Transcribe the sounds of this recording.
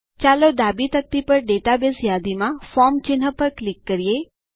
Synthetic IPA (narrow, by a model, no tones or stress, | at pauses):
t͡ʃaːlod̪abit̪ək̚t̪ipəɾɖeʈabesjaːd̪imãfɔmt͡ʃɪnɦəpəɾklɪkːəɾije